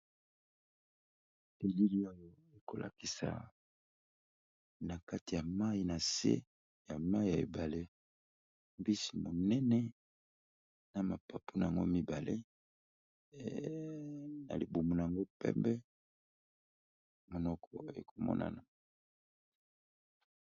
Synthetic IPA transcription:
e˨li˦li˦o˦jo˦ | e˨ko˨lʔa̰˨ki˨sa̰˨ | na˨ka˦ti˨ja˨ma˦i˨na˨sḛ˦ | ja˨ma˦i˨ja˨ḛ˨ba˨le˦ | mbi˦si˨mo˨nɛ˦nɛ˦ | na˨ma˨pa˨pu˦na˨a˨ŋɡo˦mi˦ba˨lʔe˦ | na̰˨li˨bu˨mu˨na˨a˨ŋɡo˦pɛ̰˦mbɛ˦ | mo˨nɔ˦kʰɔ˨ḛ˨kʰo˨mɔ̰˦na̰˨na˨

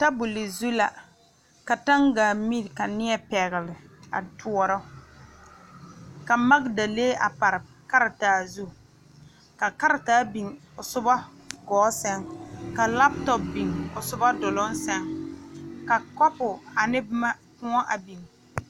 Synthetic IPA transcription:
ta˦bʊ˨lɪ˨zu˦la̰˨ | ka˨ta˦ŋɡaː˨mi˦ɾka˨nɪ˦ɛ˦pɛ˨ɣɪ˨lɪ˨a̰˨tʰu˦ɔ˨ɾɔ˦ | ka˨ma˦ɡda˨leː˦ʔa˨pa˨ɾɪ˨ | ka˦ɾɪ˨taː˨zu˦ | ka˨ka˦ɾɪ˨taː˦bi˨ŋʊ˨sʊ˦ba˦ | ɡɔː˨˦sɛ˦ŋka˨la˦p̚tɔ˨p̚bi˨ŋʊ˨sʊ˦ba˦dʊ˨lɔ˦n˦sɛ˦ŋ | ka˨kɔ˦pʊ˨a˨nɪ˦bma˦kʊ˦ɔ˦ʔa˨bi˨ŋ

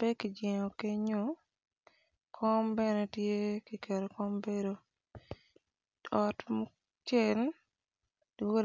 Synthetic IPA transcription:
bɛ˦ki˨d͡ʒɛ˨ŋo˨ke˦ɲo˦ | kʰɔ˦mbɛ˦nɛ˦tje˦ki˨kɛ˨ɾɔ˨kɔ˦mbe˦ɾo˨ | ɔ˨tmʊ˦ | t͡ʃɛ˨l | wo˦

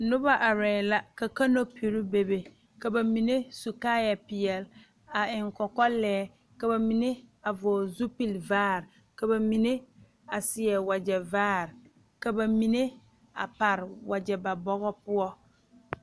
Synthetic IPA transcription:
nʊ˦ba˦ʔa˨ɾɛː˨la˦ka˨ka˦no˦pʰi˨ɾi˦be˨be˨ | ka˨ba˨mi˨ne˦su˨kaː˦ja˨pɪ˨ɛ˨l | a˨ɪ˨ŋkɔ˨kɔ˦lɛː˦ | ka˨ba˨mi˦ne˦a˨vɔː˨zu˦pi˦˨lvaː˦˨ɾ | ka˨ba˨mi˨ne˦ | a˨sɪ˨ɛ˨wa˨d͡ʒɛ˨vaː˦˨ɾ | ka˨ba˨mi˨ne˦ | a̰˨pa˨ɾɪ˨wa˨d͡ʒɛ˨ba˨bɔ˦ɣɔ˦pʊ˦ɔ˦

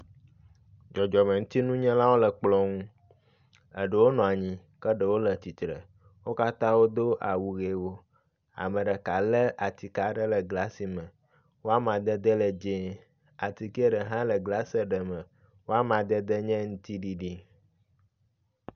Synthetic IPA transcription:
d͡ʒɔ˨d͡ʒɔ˨mə̃˨ŋũ˦t̪i˦nũ˦ɲɛ̃˦la˦wo˦lə˨k͡plɔ˦ŋũ˦ | ə̰˨ɖə˨wo˦nɔ̃˨a˨ɲĩ˦ | kə˦ɖə˨wo˦lə˨t̪i˨t̪ɾə̰˨ | wo˦ka˦t̪ã˦wo˦d̪o˦ʔa˨wu˨ɣe˨wo˦ | a̰˨mə̃˨ɖə˨ka˨lə˦ʔa˨t̪i˨ka˨ɖə˦lə˨ɡla˦si˨mə̃˨ | wo˦a˦mã˨d̪ə˦d̪ə˦lə˨d͡ʒe˦ | a˨t̪i˨ki˦e˦ɖə˨ɦã˦lə˨ɡla˦sə˦ɖə˨mə̃˨ | wo˦a˦mã˨d̪ə˦d̪ə˦ɲɛ̃˦ŋũ˦t̪i˦ɖi˦ɖi˦

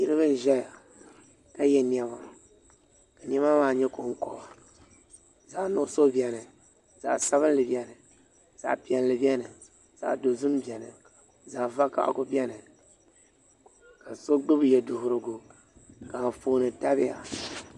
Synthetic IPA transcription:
ɲi˦ɾɨ˦βɨ˦n̩˦ʒɛ˦ja˨ | ka˦jɛ˦ni˦ɛ˦ma˨ | ka˨ɲɛ˦ma˦maː˨ɲɛ˦ko˨ŋ˦kɔ˨ba˨ | za˨nʊ˨so˦bi˨ɛ˨nɨ˨ | za̰˨sa˦βɨ˦n˦lɨ˨bi˦ɛ˦nɨ˨ | z̥a̰˨ʔpi˨ɛ˨nlɨ˨bɛ˦nɨ˨ | z̥a̰˨ʔdo˨zɨ˦mbɛ˨nɨ̰˨ | za˨va˦ka̰˦ʔkʊ˦bʲɛ˦nɨ˨ | ka˨so˦ɡ͡bɨ˦bjɛ˨dʊ˨hʊ˨ɾɨ˨ɡʊ˨ | ka˨m˨foː˨nɨ˨ta˦bɪ˦ja˨

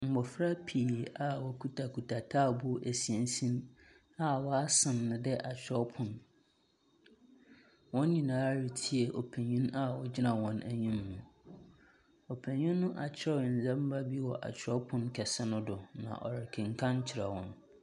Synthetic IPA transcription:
m̩˨bɔ˨fɾa˦pʰi˨ɾi˨ʔa˦wɔ˦kʰu˦tʰa˨kʰu˨tʰa˨tʰaː˦˨bʊ˦ʔæ˨si˨e˨n˦sĩ˦m | a˦wɔ˦a˦sɪ̃˨nːɪ̃˨dɛ˦ʔa˨t͡ɕʰᶣɾɔ˦pʰʊ̃˨n | wɔ̃˦n˦ɲĩ˨nãː˨˦a˦ɾi˨tʰi˦ɛ˨ʔo˨pʰẽ˨ɲĩ˦na˦wɔ˦d͡ʑɪ˦nã˨wɔ̃˦næ˦ɲĩ˦mːʊ̃˨ | ɔ˨pʰẽ˨ɲĩ˦nːʊ̃˦ʔa˨t͡ɕʰɪ˦ɔ˦˨ɪ̃˨n̩˨zã˦m̩˦ba˦bi˦wɔ˨ʔa̰˨t͡ɕᶣʰɪ˨ɾɔ˦pʰʊ̃˦nkʰɛ˨sɛ˦nʊ̃˦dʊ˨nã̰˨ʔɔ̰˨ɾɪ˨kʰɪ̃˨ŋ̩˨kʰã˦n˦t͡ɕʰɪ˨ɾa˨wɔ̃˨n

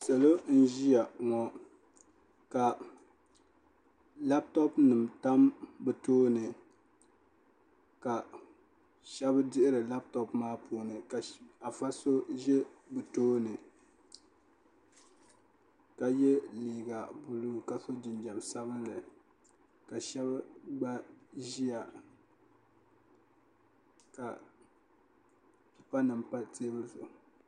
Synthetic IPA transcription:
sɛ˨lo˦n̩˦ʒi˦ja˨ŋɔ˨ | ka˨ | la˦p̚tɔ˦pnɨ˨mta˦mbɨ˨toː˦nɨ˨ | ka˨ | ʃɛ˦bɨ˦dɪ˦ʔɪ˦ɾɨ˨la˦b̚tɔ˨pmaː˦pʰuː˨˦nɨ˨ka˨a˨fa˦so˦ʒɛ˦bɨ˨toː˦nɨ˨ | ka˨jɛ˦liː˨ɡa˨bu˨luː˦˨ka˨so˦d͡ʒɪ˨nd͡ʒɛ˨msa˦βɨ˦nlɨ˨ | ka˨ʃɛ˦bɡ͡ba˦ʒi˦ja˨ | ka˨ | pi˨pa˦nɨ˨mpa˦teː˦bɨ˦lsʊ˨

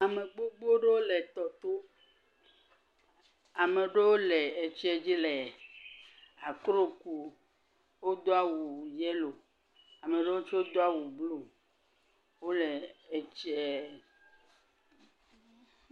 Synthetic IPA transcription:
a˨me˨ɡ͡bo˦ɡ͡bo˦ɖe˦wo˦le˨t̪ɔ˨t̪o˦ | a˨me˨ɖe˦wo˦le˨e˨t͡ʃe˦d͡ʑi˦le˨ | a˨kɾo˦ku˨ | wo˦d̪o˦a˦wu˨jɛ˦lo˨ | a˨me˨ɖe˦wo˦t͡ʃwo˦d̪o˦a˦wu˨blo˨ | wo˦le˨e˨t͡ʃɛ˦˨

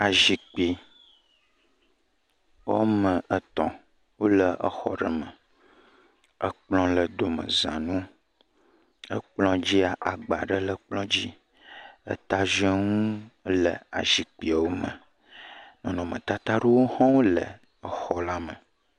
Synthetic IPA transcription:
a˨ʒi˨k͡pi˨ | wo̰˦mə̃˨ʔə˨t̪ɔ̰̃˨ | wo˦lə˨ʔə̰˨xɔ̰˨ɖə˨mə̃˨ | ə˦k͡plɔ̃˦lə˨d̪o˨mə̰̃˨zã̰˨nũ˦ | ə˦k͡plɔ̃˦d͡ʑi˦a˨ʔa˨ɡ͡ba̰˨ɖə˦lə˨k͡plɔ̃˦d͡ʑi˦ | ə̰˦t̪a˦ʒə˦ŋũ˦lə̰˨a̰˨ʒi˨k͡pi˨a˨wo˦mə̃˨ | nɔ̃˨nɔ̃˨mə̰̃˨t̪a˦t̪a˦ɖe˦wo˦hã˦wo˦lə̰˨ | ə˨xɔ˨la˦mə̃˨

